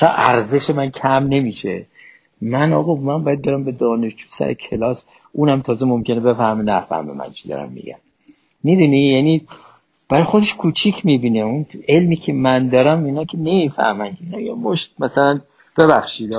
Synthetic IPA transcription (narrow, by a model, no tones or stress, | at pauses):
sænʔæ̰ɾze̞ʃemæncʰæmne̞miːʃe | mænɒ̰ːɣomænbɒːjæd̪̚beɾæmbe̞d̪ɒːneʃd͡ʒuːsæ̰ɾḛkʰe̞lɒːs | ʔuːnæmt̪ʰɒːzemomkʰʲe̞nebe̞fæhmenæfæ̰hmḛmæ̰nt͡ʃʰid̪ɒ̰ːɾæ̰mːḭɟæ̰mː | id̪unijæni | b̥æɾɒjxo̞d̪e̞ʃkʰuːt͡ʃʰicʰmiːbiːneune̞lmiːcʰemænd̪ɒːɾæminɒːkʰenemifæ̰hmænkʰeinɒjemoʃt̚mæsælæn | b̥e̞bæxʃiːd̪ɒ